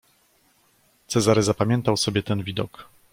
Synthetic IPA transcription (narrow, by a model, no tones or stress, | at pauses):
t̪sɛzaɾɛzapamʲjɛnt̪awsɔbʲjɛt̪ɛnvʲid̪ɔk